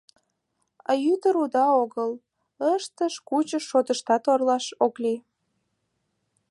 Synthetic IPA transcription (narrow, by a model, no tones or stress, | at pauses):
ɑ̰jyt̪əɾud̪ɑoɣəl | əʃt̪əʃkut͡ɕəʃːot̪əʃt̪ɑt̪orlɑʃokli